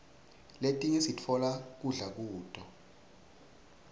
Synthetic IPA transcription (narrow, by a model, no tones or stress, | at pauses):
letʼiŋɛsit͡fʰɔlak̬uɮak̬uːtʼɔ